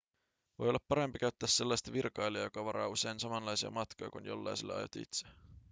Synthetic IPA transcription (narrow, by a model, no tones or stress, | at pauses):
ʋojolːɑpːɑɾe̞mpikæyt̪ːæːsːe̞lːɑst̪ɑʋirkɑjliɑjo̞kɑʋɑɾɑ̰ːuse̞jnsɑmɑnlɑjsiɑ̰mɑt̪kojɑ̰kunjo̞̰lːɑ̰jselːḛɑ̰jot̪ːiḭt̪se